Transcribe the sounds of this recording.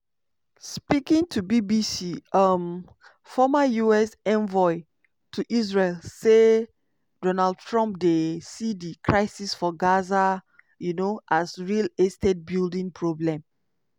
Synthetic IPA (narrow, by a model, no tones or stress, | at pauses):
spikĩŋtʰubibisiʌm | fɔmajuɛsɛ̃nvɔɪ | tʰuʔis̬ɹelse | dɔnald̚tʰɹɔ̃mp̚desidikʰɹaɪsisfɔɡaza | junoʔasɹilestɛt̚bildĩŋpʰɹoblɛ̃m